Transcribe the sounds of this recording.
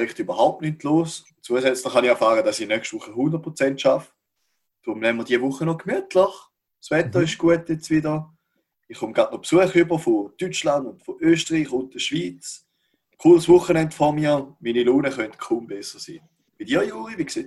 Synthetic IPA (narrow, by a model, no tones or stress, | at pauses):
ʁɪχtybɐɦaʊp̚tnytʰloːs | t͡suəsɛt͡slɪχaniχɛɐfaːʁəd̥asinœkʃtvuχːəhundət̚pʁot͡sɛntʃaf | d̥ʁʊmlɛmːəd̥iəvʊχːənɔkmyətʰləχ | svɛtəɪʃɡ̥uətjɛt͡svidə | iχːʊmɡ̥ʁatnɔpsuəχybəfotyt͡ʃlandʊntfoʔøːstəʁiːχʊnt̚d̥əʃviːt͡s | kʰuːlsvʊχənɛndfɔmiːɐmiːniloːnəχœntkʰumbɛsəsḭː | b̥idiːɐjuːʁivikseː